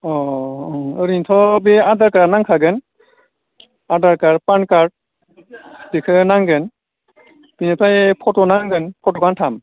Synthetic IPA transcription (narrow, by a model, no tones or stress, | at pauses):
ɔ | ɯɾintʰɔbeadaɾkaɾanaŋkʰaɡɯn | adaɾkaɾpankaɾ | dikʰɯnaŋɡɯn | pinepajpʰɔtɔnaŋɡɯnpʰɔtɔkantʰam